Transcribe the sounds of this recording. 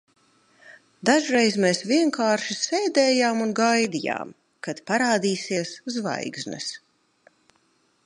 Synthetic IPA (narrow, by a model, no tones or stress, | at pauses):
d̪aʒɾejzmeːsvʲiɛŋkaːɾʃisɛːd̪ɛːjaːmunɡajd̪ija̰ːm | kad̪̥paɾaːd̪iːsiɛszva̰jɡznɛ̰s